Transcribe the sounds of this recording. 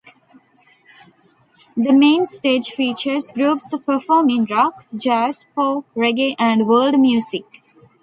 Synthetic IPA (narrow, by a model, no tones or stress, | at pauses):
d̪əmẽːnsʈeːd͡ʒfiːt͡ʃəɾsɡɾuːpspəɾfɔːmɪ̃nɾɔːkd͡ʒæːspoːɾeɡeʔæ̃ɳɖʋəːlɖmjuːsɪk